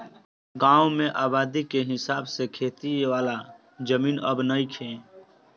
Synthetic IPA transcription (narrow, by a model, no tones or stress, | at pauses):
ɡãːwmẽʔaːbaːd̪ikeɦɪsaːbsekʰeːt̪iʋaːla | d͡ʒəmiːnəbnəikʰẽ